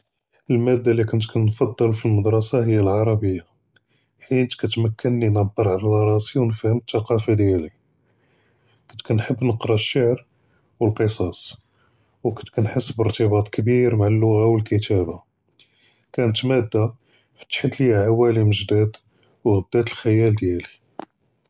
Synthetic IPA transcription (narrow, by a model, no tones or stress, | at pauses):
əlmæd̪ːalikʊnt̪kʰænnfɑd̪ˤːəlfilməd̪ɾˤɑsɑɦəjːalʕɑɾˤɑbəjːa | ħit̪kæt̪mækʰːənlinɑbəɾˤʕalælɑɾˤɑsiwnfhəmt̪ːɑqɑfad̪jæli | kʊnt̪kænħəbːnəqɾˤɑʃːaʕɾ | wəlqəsˤɑs | wkət̪kænħəsːbəɾt̪əbɑt̪ˤkəbiɾmaʕalːʊɣawəlkət̪æba | kænət̪mæd̪ːa | fi̥t̪ːħət̪lijaʕawæliməʒd̪æd̪ | wɣəd̪ːæt̪əlxæjæld̪jæli